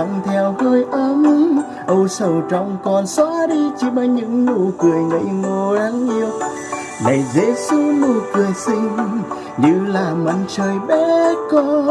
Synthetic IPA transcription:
ə̰˧˨ŋ͡mt̪ʰɛ˧whəː˧jʔə˧˦m | ʔə˧˩wsə˨˩wt͡ɕɔ̰˧˨wŋ͡mkɔ˨˩nswaː˧˥ɗi˧t͡ɕi˧˦ɓaː˧˩ɲɨ̰˧˥ŋnṵ˧˩kwi˨˩əjŋɗə̰˧˥˦jŋo˧˩la˨˦ŋʔi˧əw | lə̰˨jzḛ˧˥su˧˦nu˧˩kɨ˨˩əjsï˧ŋ̟ | ɲɨ̰˧˥laː˨˩mə˨˩nt͡ɕəː˨˩jɓɛ˧˥kɔ˧˦

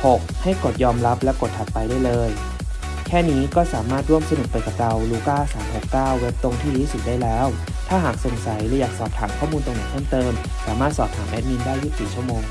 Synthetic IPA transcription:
ho˨˩k̚ha˥˩jko˨˩t̪̚jɔː˧mla˦˥p̚lɛ˦˥ko˨˩t̪̚hʰa˨˩t̪̚pa˧jduː˥˩˨jlɤː˧j | kʰɛː˥˩niː˦˥kɔː˥˩saː˩˦maː˥˩t̪̚ɾu˥˩əmsa˧nu˨˩t̚pa˧jka˨˩p̚ɾa˧wluː˧kaː˥˩saː˩˦mho˨˩kːaː˥˩wːe˦˥p̚t̪o˧ŋt̪ʰiː˥˩ɾiː˦˥st̪̚daː˥˩jlɛː˦˥w | t̪ʰaː˥˩ɦaː˨˩k̚so˨˩˦ŋsa˩˦jlɯː˩˧˦jaː˨˩k̚sɔː˨˩p̚t̪ʰaː˩˦mkʰɔː˥˩muː˧nt̪o˧ŋna˧˥t̪ʰːŋt̪ɤː˧m | saː˩˦maː˥˩t̪̚sɔː˨˩p̚t̪ʰaː˩˦mʔɛ˦˥t̪̚ni˧ndaː˥˩jːuː˦˥siː˨˩t͡ɕʰu˥˩əmoː˧ŋ

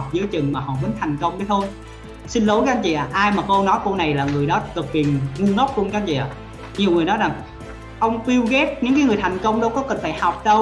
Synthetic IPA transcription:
wk͡p̚zɨ˨˦əjt͡ɕɨ˨˩ŋmaː˨˩hɔ̰˧˨˩mə˨˦nt̪ʰa˨˩jŋ̟kə˧wŋ͡mɗu˧˨˦t̪ʰo˧j | sï˧nlo˨˦ka˧˥nt͡ɕḭ˧˨ʔaː˨˩ʔaː˧jmaː˨˩ko˧nɔ˨˦jko˧na˨˩jlaː˨˩ŋɨ˨˩əjɗɔ˨˦kɨ˨˩k̚vi˨˩ənŋu˧ŋə˦˥wk͡p̚lu˧nkaː˧˦t͡ɕḭ˧˨a̰ː˨˩ | ɲi˨˩əwŋɨ˨˩əjnɔ˨˦jza˨˩ŋ | ʔə˧wŋ͡mti˧wɣɛ˦˥t̚ɲɨ̰˧˥ŋkaː˨˦jŋɨ˨˩əjt̪ʰa˨˩jŋ̟kə˧wŋ͡mɗə˧wkɔ˨˦kə˨˩nfaː˧˩jha˨˩wk͡p̚ɗə˧w

